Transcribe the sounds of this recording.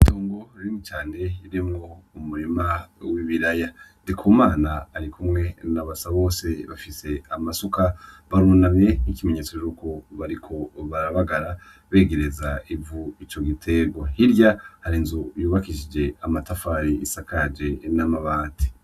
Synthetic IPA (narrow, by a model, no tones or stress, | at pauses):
itoːŋɡo̞ɾimit͡ʃaːndeiɾimŋo̞umuɾimawiβiɾajandikʰuːmaːnaːɾikumŋe̞naβasaβo̞ːse̞βafise̞amasukaβaɾunamje̞nikime̞ɲe̞ːt͡sot͡ʃuːko̞βaɾikʰo̞βaɾaβaɡaɾa | βe̞ːɡe̞ɾezaivuit͡ʃo̞ɡitʰe̞ɡwohiɾjahaɾinzujuːβakiʃid͡ʒe̞amatafaːɾiisakad͡ʒe̞namaβaːnti̥